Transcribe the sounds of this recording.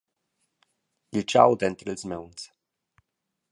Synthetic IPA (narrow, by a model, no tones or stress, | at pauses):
ilt͡ʃa̰wd̪ɛnt̪ɾəlzmɛwns